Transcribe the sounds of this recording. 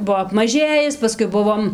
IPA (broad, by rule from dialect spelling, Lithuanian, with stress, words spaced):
ˈbuɔ ɐpmɐˈʒʲeːjɪs pɐˈskʊɪ ˈbʊʋoːm